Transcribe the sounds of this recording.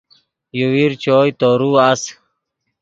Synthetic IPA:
juwiɾt͡ɕoːjt̪oːɾuas

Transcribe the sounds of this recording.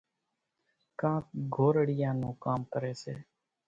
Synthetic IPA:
kãːkɡʱoːɾəɽɪjãːnũːkaːmkəɾeːsḛː

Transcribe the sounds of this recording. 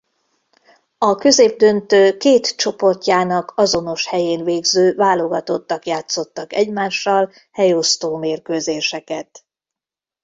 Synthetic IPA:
ɒkø̞zeːb̚d̪ønt̪øːkeːt̪t͡ʃo̞po̞rcaːnɒkɒzo̞no̞ʃhɛjeːnveːɡzøːvaːlo̞ɡɒt̪o̞t̪ːɒkjaːt̪so̞t̪ːɒkɛɟmaːʃːɒl | hɛjo̞st̪oːmeːrkøːzeːʃɛkɛt̪

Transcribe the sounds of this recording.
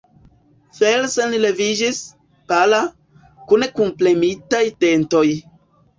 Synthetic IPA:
felsenilevid͡ʒis | pala | kunekumplemitajte̞nto̞j

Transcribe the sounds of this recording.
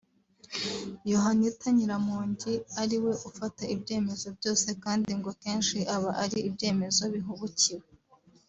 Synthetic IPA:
joɦanitaɲiɾamuːɲɟiaɾiwe̞ʔufataibɟe̞ːme̞zo̞bɟo̞ːse̞kaːndiŋɡo̞ke̞ːnʃiʔaβaʔaɾiibɟe̞ːme̞zo̞βiɦuβuciwe

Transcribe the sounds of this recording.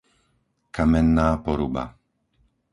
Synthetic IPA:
kamɛnːaːpɔɾuba̰

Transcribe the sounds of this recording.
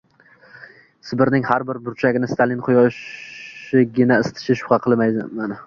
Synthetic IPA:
sɪbɪɾnɪŋhaɾbɪɾbʊɾt͡ʃʰaɡʲɪnɪst̪ʰalɪnqʰʊjɒʃ | ɪɡʲɪnaɪst̪ʰɪ̥ʃɪʃʊ̥qʰɑqʰɨlˠmajd̪ɪmanɪ

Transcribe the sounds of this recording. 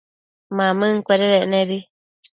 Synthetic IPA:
mãmɨ̃ŋ̩kʷeɾeɾeʔnẽβi

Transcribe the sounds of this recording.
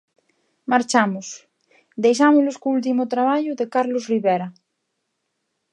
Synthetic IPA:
maɾt͡ʃamʊs | d̪ejʃ̬amʊzloskoult̪̬imot̪ɾaβ̞aʎʊðekaɾlosriβeɾa

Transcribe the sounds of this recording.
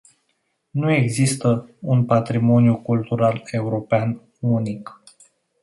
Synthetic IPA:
nue̞ɡzist̪əunpat̪ɾimo̞njukult̪uɾale̞uɾo̞pean | unik

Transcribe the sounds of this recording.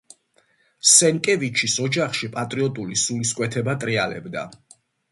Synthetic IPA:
sɛnkʼɛvit͡ʃʰisɔd͡ʒaχʃipʼat̪ʼɾiɔt̪ʼulisuliskʼwɛt̪ʰɛbat̪ʼɾialɛ̰bd̪a̰

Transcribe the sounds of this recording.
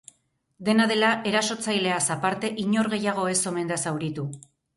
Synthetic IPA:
d̪e̞naðe̞laʔe̞ɾaso̞t͡sajle̞asapaɾt̪e̞ʔiɲo̞ɾɣe̞jaɣ̞o̞e̞so̞me̞nd̪asawɾit̪u

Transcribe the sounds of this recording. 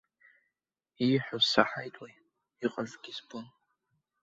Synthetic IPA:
iħʷʊsaħajtʼwej | iqʼaʒʷɡʲizbʰʼɨn

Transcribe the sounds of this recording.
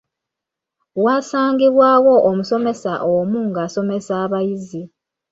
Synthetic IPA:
waːsaːŋɡiβwaːwo̞ʔːmuso̞me̞saʔomuŋɡaːso̞me̞saːβajizi

